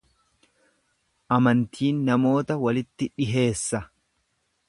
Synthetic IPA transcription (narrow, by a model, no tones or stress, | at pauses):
ʔɐmɐnt̪ʰiːnːɐmo̞ːt̪ɐwɐlɪt̪ːɪᶑɪɦe̞ːsːɐ